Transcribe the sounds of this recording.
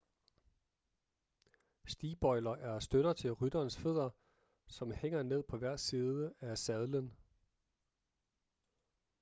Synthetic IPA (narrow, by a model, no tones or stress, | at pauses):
sd̥iːb̥ɒ̽ɪlɐʔæɐsd̥øɾ̥ɐt͡sʰe̝lʁyd̥ɐːnsfe̝ð̞̰ˠɐ | sɒ̽mheŋ̰ɐne̝ð̞̰ˠpʰɒ̽ʋæɐ̰̥siːðˠəæsɛðˠlən